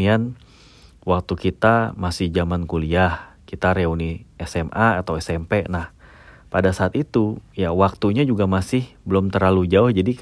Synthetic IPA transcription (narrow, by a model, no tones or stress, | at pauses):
ian | wak̚t̪ukit̪amasɪhd͡ʒamankuliahkit̪aɾeauniɛsɛmʔaːt̪awɛsɛmpɛnah | padasaːt̪it̪ujawak̚t̪uɲad͡ʒuɡamasɪhbəlɔmt̪ərɾlalud͡ʒaʊhd͡ʒadi